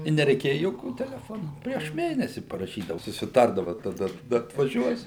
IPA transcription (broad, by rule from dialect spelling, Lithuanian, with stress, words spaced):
ɪ nʲɛrʲɛɪˈkʲeːjɛ joːˈkʲuː tʲɛlʲɛˈfoːnuː pʲrʲiɛʃ ˈmʲeːnʲɛsʲɪ pɐrɐˈʃʲiːdɐʊ sʊsʲɪˈtɐrdɐʋɐ tɐˈdɐ tɐˈdɐ ɐtʋɐˈʒʲuɔs